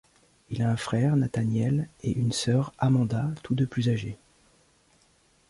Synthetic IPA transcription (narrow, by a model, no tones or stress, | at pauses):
ilaɛ̃fχɛʁnat̪anjɛleʔynsœʁamɑ̃d̪at̪ud̪əplyzaʒe